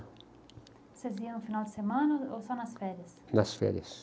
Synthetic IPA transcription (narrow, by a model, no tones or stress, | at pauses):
seziɐ̃nʊfinawd̪ɪsemɐ̃nɐowsɔnɐsfɛɾɐs | nɐsfɛ̰ɾɐs